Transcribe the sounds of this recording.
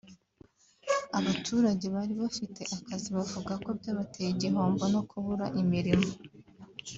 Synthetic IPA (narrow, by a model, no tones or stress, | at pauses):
aβatʰuːɾaɟe̞βaɾiβafite̞ʔakaziβavuɡako̞bɟaːβatʰejiɟiɦoːmbono̞kʰuβuɾa̰ʔimiɾimo